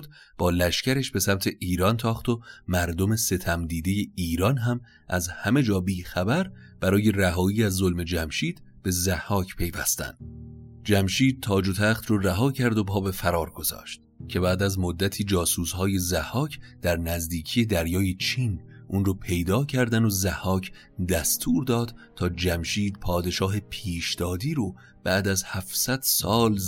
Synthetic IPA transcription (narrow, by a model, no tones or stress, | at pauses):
d̪ | b̥ɒːlæʃcæɾeʃbe̞sæmt̪ʰe̞ʔiːɾɒːnt̪ʰɒːχt̪o̞mæɾd̪ome̞se̞t̪ʰæmd̪iːd̪e̞je̞iːɾɒnɦæm | ʔæzhæme̞d͡ʒɒːbiːxæbæɾ | b̥æɾɒːje̞ræɦɒːiːæzːolme̞d͡ʒæmʃiːd̪̥ | b̥e̞zæhːɒːcʰpʰe̞jvæ̰st̪æ̰nd̪̥d͡ʒæmʃiːd̪̚t̪ʰɒːd͡ʒot̪ʰæχt̪roræɦɒːcʰæɾd̪o̞pʰɒːbe̞fæɾɒːɾɡ̥o̞zɒ̰ːʃt̪̚ | cʰe̞bæʔd̪æzmod̪ːæt̪ʰiːd͡ʒɒːsuːsɦɒːje̞zæhːɒːcʰd̪̥æɾnæzd̪iːcʰiːje̞d̪æɾjɒːjet͡ʃʰiːn | ʔuːnroːpʰe̞jd̪ɒːcʰæɾd̪ænozæhɒːcʰ | d̪æst̪ʰuːɾd̪ɒːd̪̥t̪ʰɒːd͡ʒæmʃiːd̪̚pʰɒːd̪e̞ʃɒːɦe̞pʰiːʃd̪̥ɒːd̪iːɾo | b̥æʔd̪æzhæfsæd̪̥sɒːl